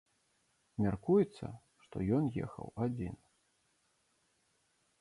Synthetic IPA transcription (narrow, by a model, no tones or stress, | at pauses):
mʲarkujɛt̪sːɐ̰ | ʂt̪ɔ̰jɔnjɛ̰xɐ̰wad͡zʲin